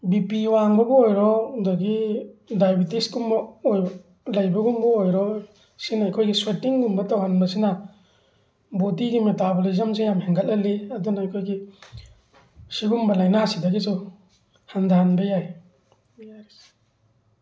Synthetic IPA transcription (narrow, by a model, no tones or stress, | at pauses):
bipiwaŋbɐbɔojɾɔdaɡidajbitisɡumbɐoj | lajbɐɡumbɐojɾɔ | sinaːjkʰojɡiswetiŋɡumbɐtawhanbɐsinɐ | bodiɡimetabolizɐms̬ijamheŋɡɐlɐlːiɐdunaɐjkʰojɡi | siɡumbɐlajnasidɐɡisu | hand̪ʱanbɐjaj